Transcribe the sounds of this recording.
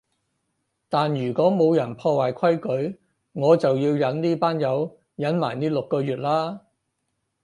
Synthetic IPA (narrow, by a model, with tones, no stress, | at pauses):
t̪aː˨njyː˨˩kɔː˨˥mo˨˧wjɐ˨˩npʰɔː˧waː˨˩jkʷʰɐ˥jkɵ˨˥ɥ | ŋɔː˨˧t͡sɐ˨wjiː˧wjɐ˨˥nniː˥paː˥njɐ˨˧w | jɐ˨˥nmaː˨˩jniː˥lʊ˨kːɔː˧jyː˨t̚laː˥